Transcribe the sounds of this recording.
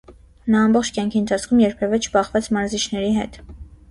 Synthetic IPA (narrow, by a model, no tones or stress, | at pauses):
nɑːmbɔχt͡ʃʰkjɑŋkʰiənt̪ʰɑt͡sʰkʰumjɛɾpʰɛvɛt͡ʃʰbɑχvɛt͡sʰmɑɾzit͡ʃʰnɛɾiɦɛ̰t̪